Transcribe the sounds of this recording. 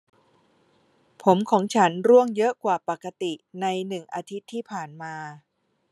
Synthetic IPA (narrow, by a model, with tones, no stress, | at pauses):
pʰo˩˦mkʰɔː˩˦ŋt͡ɕʰa˦˥nɾu˥˩əŋjɤ˦˥ʔkwaː˨˩pa˨˩ka˧t̪i˨˩na˧jnɯ˨˩ŋʔaː˧t̪ʰi˦˥t̪ʰːiː˥˩pʰaː˨˩nmaː˧